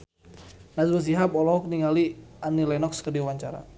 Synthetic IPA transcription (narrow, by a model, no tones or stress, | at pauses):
nasbəs̬iɦapɔlɔɦɔk̚niŋalianilɛnɔkskərdiwaɲt͡ʃaɾa̰